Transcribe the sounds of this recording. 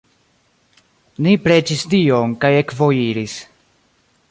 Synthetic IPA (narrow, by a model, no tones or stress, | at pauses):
nipɾe̞t͡ʃistio̞ŋkaje̞kvo̞jiɾis